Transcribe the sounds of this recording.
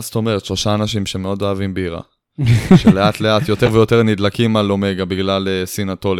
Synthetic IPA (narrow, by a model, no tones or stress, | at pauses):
st̪o̞me̞ʁet̪ʃlo̞ʃaːnaʃimʃe̞meo̞doavimbeiʁa̰ | ʃeleat̪le̞at̪jo̞t̪eʁvejo̞t̪eʁnid̪lakimalo̞meɡabiɡlalesinat̪o̞l